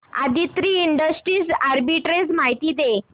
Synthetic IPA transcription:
a̰d̪ʱit̪ɾiːɳɖəsʈɾiːsaɾbiʈɾed͡zmaɦit̪iːd̪e

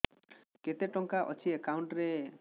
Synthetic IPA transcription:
ket̪eʈɔŋkaʔɔt͡ʃʰiekawɳʈɾe

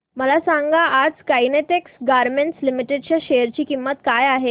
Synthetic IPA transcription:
məlasaŋɡaʔad͡zkajneʈeksɡaɾmeɳʈslimiʈeɖt͡ɕjaɕejəɾt͡ɕiːkimːət̪kajaɦe

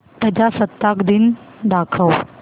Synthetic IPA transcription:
t̪əd͡ʑasət̪ːakd̪ind̪akʰəw

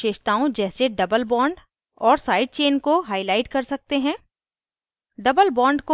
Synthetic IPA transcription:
eːʃt̪aːõd͡ʒɛːseɖɐbəlbɔ̃ːɳɖ | ɔːɾsaːɪɖ̚t͡ʃeːnkoɦaːɪlaːɪʈkɐɾsɐk̚t̪eɦɛ̃ː | ɖɐbəlbɔ̃ːɳɖko

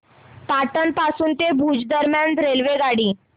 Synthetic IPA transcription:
paʈənpasuːnt̪ebʱud͡zd̪əɾmjand̪ɾelʋeɡaɽiː

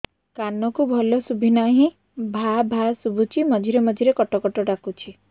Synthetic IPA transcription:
kanɔkubʱɔlɔsubʱinaɦĩ | bʱabʱasubʱut͡ʃʰimɔd͡ʒʱiɾemɔd͡ʒʱiɾekɔʈɔkɔʈɔɖakut͡ʃʰi

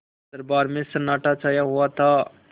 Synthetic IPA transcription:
səɾbaːɾmɪ̃sənaːʈat͡ʃaːjaɦʊat̪ʰaː

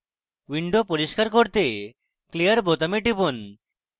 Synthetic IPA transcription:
wiɳɖopoɾiʃkaɾkoɾt̪e | kliəɾbot̪amiʈipon

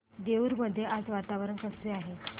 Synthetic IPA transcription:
d̪eʋuɾməd̪ʱːjeʔad͡zʋat̪aʋəɾənkəseaɦe

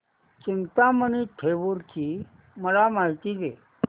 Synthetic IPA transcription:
t͡ɕint̪aməniʈʰeʋuɾki | məlamaɦit̪iːd̪e

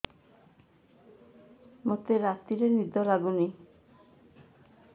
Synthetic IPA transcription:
mot̪eɾat̪iɾenid̪ɔlaɡuni

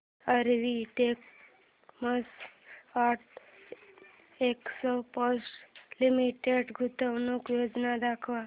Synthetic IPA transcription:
əɾʋiʈek | məsaʈʰ | eksɔpɔsʈlimiʈeɖɡʱut̪ənokjod͡ʒnad̪akʰʋa

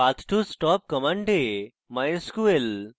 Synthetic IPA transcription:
at̪ʰʈʰusʈɔːp̚kəmãɳɖe | majskuel

